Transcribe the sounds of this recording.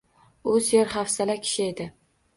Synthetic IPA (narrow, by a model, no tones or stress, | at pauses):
ʊsjeɾχafsalakʲʰɪ̥ʃɪe̞d̪ɪ